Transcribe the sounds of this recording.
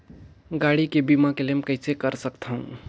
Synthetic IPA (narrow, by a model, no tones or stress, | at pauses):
ɡaɽikebimakelemkəjsʰekəɾsəkt̪ʰə̃ũ